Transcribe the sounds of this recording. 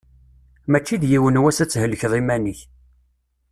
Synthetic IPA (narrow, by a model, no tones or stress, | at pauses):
mæt͡ʃːiðjiwənwæsæt͡sːɦəlːəçðˤimæniç